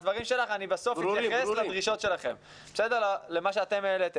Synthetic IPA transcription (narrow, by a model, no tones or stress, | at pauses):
dvaʁimʃe̞laχanibaso̞fitjaχeslad̪ʁiʃo̞tʃe̞laχe̞̰m | be̥sedeʁlale̞maʃeat̪e̞mlet̪e